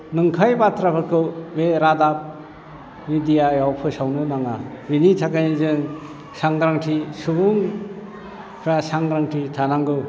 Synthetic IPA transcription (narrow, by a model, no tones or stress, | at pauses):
nɯŋkʰajbatɾapʰɯɾkʰɯbeɾadap̚ | nidijajawpʰɯsawnɯnaŋabinitʰakanizɯŋ | saŋɡɾaŋʈʰisubuŋ | pʰɾasaŋɡɾaŋtʰitʰanaŋɡɯ